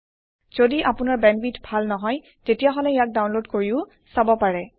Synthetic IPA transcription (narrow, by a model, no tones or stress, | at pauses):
z̥odiʔapʊnaɹbɛnbitʰbʱalnɔɦɔj | tetijaɦɔlɛjak̚dawnlodkoɹiʊ | sabɔpaɹɛ